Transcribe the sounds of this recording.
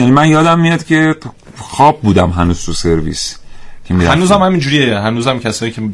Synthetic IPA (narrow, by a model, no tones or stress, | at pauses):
jænimænjɒːd̪æmːijɒd̪cʰʲe̞ | xɒːb̚buːd̪æmɦænuːz̥t̪ʰuse̞ɾvḭːscʰemiɾ̰ænuːzæmhæmind͡ʒuːɾijeɦænuːzæmcʰæsɒːjiːcʰe